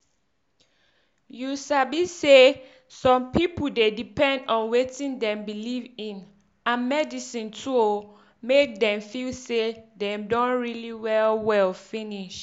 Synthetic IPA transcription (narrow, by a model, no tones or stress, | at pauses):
jusabise | sɔ̃mpʰipudedipɛ̃ndɔ̃nwetĩndɛ̃mbilivĩn | ãnmɛdisĩntʰuo | mek̚dɛ̃mfilsedɛ̃mdɔ̃nɹiliwɛlwɛlfĩniʃ